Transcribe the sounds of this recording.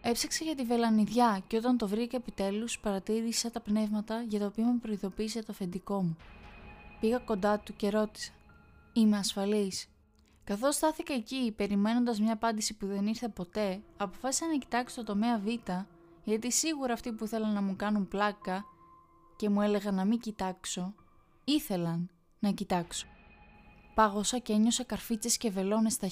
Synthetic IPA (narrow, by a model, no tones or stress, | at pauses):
e̞psɐkseʝɐt̪ive̞lɐniðʝɐceo̞t̪ɐnt̪o̞vɾikɐepit̪e̞luspɐɾɐt̪iɾisɐt̪ɐpne̞vmɐt̪ɐʝɐt̪ɐo̞piɐmmupɾo̞iðo̞piːset̪ofe̞nd̪iko̞mu | piɣɐko̞nd̪ɐt̪uce̞ɾo̞t̪i̥sɐ̥ime̞ɐsfɐlis | kɐθo̞st̪ɐθikɐecipe̞ɾime̞no̞nd̪ɐzmɲɐːpɐnd̪isipuðe̞niɾθe̞po̞t̪e̞ɐpo̞fɐsi̥sɐnɐci̥t̪ɐkso̥st̪o̞nd̪o̞me̞ɐvit̪ɐ | ʝɐt̪isiɣuɾɐːft̪ipuiθe̞lɐnːɐmukɐnumplɐkɐ | ce̞mue̞le̞ɣɐnɐmicit̪ɐkso̞ | iθe̞lɐnː | ɐcit̪ɐkso̥ | pɐɣo̞sɐceeɲo̞sɐkɐɾfit͡se̞sce̞ve̞lo̞ne̞st̪ɐ